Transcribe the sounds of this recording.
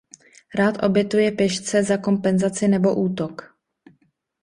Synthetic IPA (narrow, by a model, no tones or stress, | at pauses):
ɾaːt̪ʔo̞bjɛt̪ujɛpjɛʃt͡sɛzako̞mpɛnzat͡sɪnɛbo̞ʔuːt̪ok